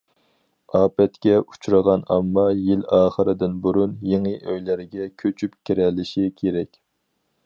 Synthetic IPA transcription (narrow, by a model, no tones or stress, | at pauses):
ɑːpɛt̪kʲɛu̥t͡ʃʰuɾəʁɑnɑ̰mːɑjilɑːχəɾɪd̪ɪnbuɾunjeŋɨʔøjlæɾɪɡʲɛkʲʰøt͡ʃʰypkʲʰiɾɛlːɪʃikʲʰeɾɛkʲ